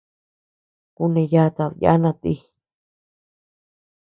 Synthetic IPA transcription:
ku˧nẽ˧ja˦˧t̪a˧βja̰˦nã˧t̪i˦˧

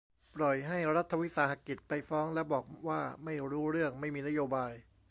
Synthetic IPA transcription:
pɾɔ˨˩jɦa˥˩jɾa˦˥t̪ʰːa˧wi˦˥saː˧˥ɦa˧˩ki˨˩t̪̚pa˧jfɔː˦˥ŋlɛ˦˥bɔː˨˩k̚waː˥˩ma˥˩jɾuː˦˥ɾɯ˥˩əŋma˥˩jmiː˧na˥joː˧baː˧j

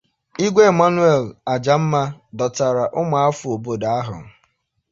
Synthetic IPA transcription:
i˦ɡʷe˦˨ma˦nu˦e˦˨la˨d͡ʒa˨m̩˦ma˦dɔ˨ta˨ɾa˨ʔʊ˦ma˨a˦fʊ˨o˨bo˨da˨a˦ɦʊ̰˨

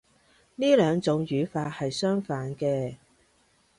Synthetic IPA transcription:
niː˥lœː˨˧ŋt͡sʊ˨˥ŋjyː˨˧faː˧t̚hɐ˨jsœː˥ŋfaː˨˥nkɛː˧

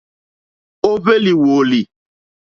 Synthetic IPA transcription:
o˦ve˦li˨wo˨li˨

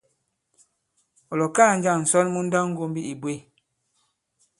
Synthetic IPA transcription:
ɔ˨lɔ˨kaː˦˨n̩˦d͡ʒa˦˨ŋn̩˨sɔ˦lmu˦n̩˦da˦ŋ̩˦ɡo˦m˦bi˦i˨bwe˦˨

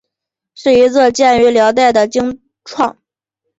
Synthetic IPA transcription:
ʂɻ̩˥˩i˧˥t͡sʰɤ˥˧t͡ɕjɛ˥˩ny˧˥ljɑ˧˥ʊt̪̬a˥˩ɪd̪ə˩t͡ɕi˥ŋ | ʈ͡ʂʰwɑ˥˩ŋ

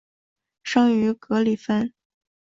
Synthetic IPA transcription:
ʂɑ˥ŋy˧˥kɤ˧˥li˨˩fə˥n

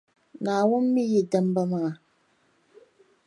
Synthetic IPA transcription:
naː˨wʊ˦n˦mi˦ji˨də˦m˦bə˦ma˦ŋa˨

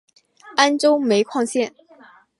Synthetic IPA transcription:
a˥nʈ͡ʂo˥ʊme˧˥ɪkʰwɑ˥˧ŋɕjɛ˥˩n

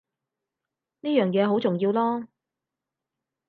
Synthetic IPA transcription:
niː˥jœː˨˩ŋjɛː˨˧ɦo˨˥wt͡sʊ˨˩ŋjiː˧wlɔː˥

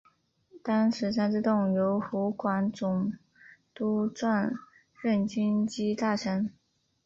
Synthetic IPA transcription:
t̪ɑ˥ŋʂɻ̩˧˥sa˥nʈ͡ʂɻ̩˥˧t̪ʊ˥˩ŋjo˧˥ʊxu˧˥kwa˧˥nt͡sʊ˨˩ŋ | t̪u˥t͡swa˥˧n | ɻə˥˩nt͡ɕi˥nt͡ɕi˥t̪a˥˩ʂʰə˥n

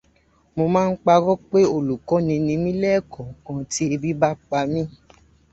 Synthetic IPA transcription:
mo˧mãː˦˧n̩˦k͡pa˧ɾɔ˦k͡pe˦o˦˨lu˨kɔ˨˦nĩ˧nĩ˧mĩ˦lɛ˦˨kɔ̃˨kã˧ti˦e˧bi˦ba˦k͡pa˧mĩ˦

